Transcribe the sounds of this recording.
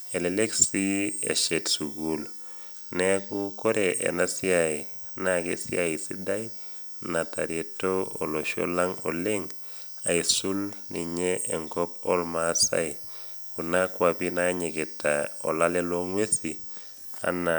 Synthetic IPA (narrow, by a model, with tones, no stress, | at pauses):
ɛlele˦ksi˦ɛ̰˨ʃɛ˨tsuɡul | nɛku˦ko˦ɾɛʔɛ̰˨na˦siai | nakḛ˨sḭ˦ai˨sḭ˦da˦j | na˨ta˨ɾetoo̰˨lo˨ʃo̰˦la˦ŋo̰le˦ŋ | a˨isu˦lni˨ɲeɛŋɡɔ˦pɔ̰˦lma˦sa̰˦j | ku˨na˦kwapi˦naɲɪ˨kɪ˨taɔ̰˨la˦lɛ˦lo˦ŋwe˦si | a̰˦na